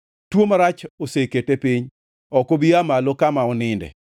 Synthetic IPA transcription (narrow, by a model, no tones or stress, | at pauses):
twomaɾat͡ʃoseketepiɲ | ɔkobiamalɔkamaɔnɪndɛ̰